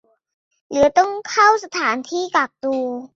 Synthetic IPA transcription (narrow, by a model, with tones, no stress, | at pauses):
lɯ˩˦ɐt̪ɔ˥˩ŋkʰa˥˩wsa˧t̪ʰaː˩˦nt̪ʰiː˥˩ka˨˩k̚t̪uː˧